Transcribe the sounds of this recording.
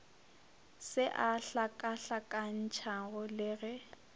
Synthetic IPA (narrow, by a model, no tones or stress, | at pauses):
sɪʔaɬakʼaɬakʼan̩t͡ʃʰaɣʊlɪɣɛ